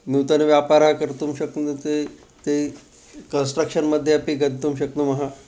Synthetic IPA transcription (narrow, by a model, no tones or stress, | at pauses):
nuwt̪ənʋjapaɾakəɾt̪uːmɕəkət̪e | t̪e | kənsʈɾəkʂənməd̪ʱːjeapiːɡənt̪umɕək̚t̪uməɦa